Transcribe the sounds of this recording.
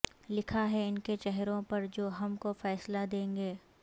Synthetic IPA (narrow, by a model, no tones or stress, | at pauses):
lɪkʰaɦɛɪnket͡ʃɛɦɾõpɐɾd͡ʒoːɦɐmkofɛːslad̪ẽːŋɡeː